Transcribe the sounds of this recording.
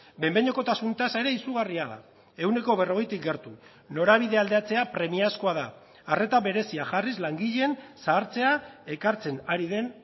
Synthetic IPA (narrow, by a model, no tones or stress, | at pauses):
be̞mbeɲo̞ko̞t̪asunt̪asae̞ɾe̞isuɣ̞ariaða̰ | e̞wne̞ko̞β̞e̞ro̞ɣe̞jt̪ik̚ɡe̞ɾt̪u | no̞ɾaβ̞iðe̞ald̪e̞at͡se̞apɾe̞miasko̞aðaː | re̞t̪aβe̞ɾe̞siaʝarizlaŋɡiʎensaːɾt͡se̞ae̞kaɾt͡se̞naɾiðe̞n